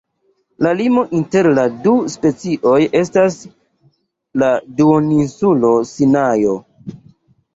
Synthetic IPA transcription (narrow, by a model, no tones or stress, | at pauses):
lalimo̞ʔinte̞ɾladuspe̞t͡siʔo̞je̞stas | laduoninsulo̞sinajo̞